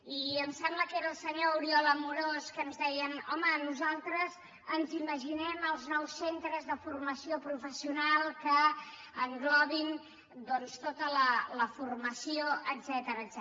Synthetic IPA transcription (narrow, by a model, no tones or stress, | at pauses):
iəmsɛmbləkeɾəːlˠsəɲouɾiɔləmuɾoskənzðɛjənɔ̰mənuzalˠt̪ɾəz | ənziməʒinɛməlˠznɔwsːent̪ɾəzðəfurməsiopɾufəsiunalˠkəː | ŋɡlɔβin | d̪ɔnst̪ot̪ələləfurməsioʔəzɛt̪əɾəːzɛ